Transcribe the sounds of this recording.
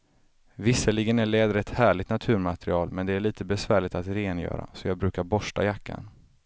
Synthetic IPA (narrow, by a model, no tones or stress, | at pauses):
vɪsːəɭɪɡənæɭɛːd̪ɾɛt̪ːhæːɭɪt̪nat̪ʰʉ̟ːɾmat̪ɾɪɑːlmɛnd̪ɛæɭiːt̪əbɛsvæːɭɪɡt̪at̪ɾeːnjœ̰ːɾa̰sɔjɑːɡ̚bɾʉ̟ːkaɾbɔʂʈa̰jakʰːa̰n